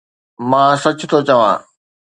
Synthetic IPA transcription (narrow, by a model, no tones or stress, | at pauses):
mãːsɐt͡ɕʰʊt̪ʰot͡ɕɐʋã̰ː